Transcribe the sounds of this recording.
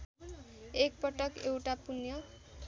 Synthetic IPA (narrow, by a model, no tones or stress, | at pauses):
ek̚pʌʈʌkewʈapunjʌ